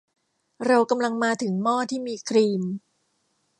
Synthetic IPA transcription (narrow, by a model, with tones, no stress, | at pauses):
ɾa˧wka˧mla˧ŋmaː˧t̪ʰɯ˩˦ŋmɔː˥˩t̪ʰiː˥˩miː˧kʰɾiː˧m